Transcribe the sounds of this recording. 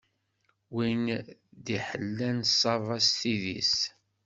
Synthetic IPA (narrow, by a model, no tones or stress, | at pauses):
wind̪iħəlːænsˤɑvˤɑsθiðḭs